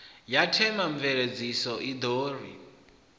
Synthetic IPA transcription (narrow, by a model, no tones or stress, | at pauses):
jatʰɛmaɱvɛɺed͡zisɔʔid̪oːrḭ